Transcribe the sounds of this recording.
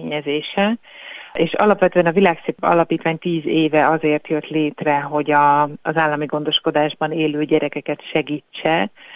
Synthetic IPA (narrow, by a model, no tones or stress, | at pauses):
ɲɛzeːʃɛ | ʔeːʃɒ̰lɒpʋɛt̪øːɛnɒvilaːksepɒ̰lɒpiːt̪ʋaːɲt̪iːzeːvɛɒzeːrt̪jø̞t̪leːt̪rɛɦo̞ɟɒːzaːlːɒmiɡo̞nd̪o̞ʃko̞d̪aːʒbɒneːløːɟɛɾɛkɛkɛt̪ʃɛɡiːt͡ʃːɛ